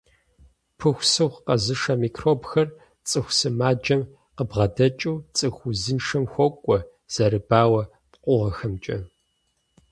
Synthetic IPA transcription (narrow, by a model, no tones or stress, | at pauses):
pʰɨxʷsɨwχqɐzɨʂɐmiːkʰroːbxɐr | t͡sʼɨxʷsɨmaːd͡ʒɐm | qəbʁɐdɐt͡ʃʼuːt͡sʼɨxʷuzɨnʂɐmxʷɔkʷʼɔ | z̥ɐɾɨb̥aːwɐ | pqʷʊʁɐxɐmt͡ʃʼɐ